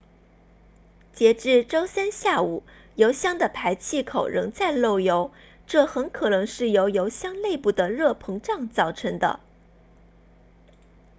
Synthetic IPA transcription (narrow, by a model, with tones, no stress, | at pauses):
t͡ɕjɛ˧˥ʈ͡ʂɻ̩˥˩ʈ͡ʂo˥ʊsa˥nɕja˥˩u˨˩ | jo˧˥ʊɕjɑ˥ŋd̪ə˨pʰa˧˥ɪt͡ɕʰi˥˩kʰo˨˩ʊɻɤ̰˧˥ŋt͡sa˥˧ɪlo˥˩ʊjo˧˥ʊ | ʈ͡ʂɤ˥˩xə˧˥nkʰɤ˨˩nɤ˧˥ŋʂɻ̩˥˩jo˧˥ʊjo˧˥ʊɕjɑ˥ŋle˥˧ɪpu˥˩d̪ə˩ɻɤ˥˩pʰɤ˧˥ŋʈ͡ʂɑ˥˧ŋt͡sɑ˥˩ʊʈ͡ʂʰɤ˧˥ŋd̪ə̰˧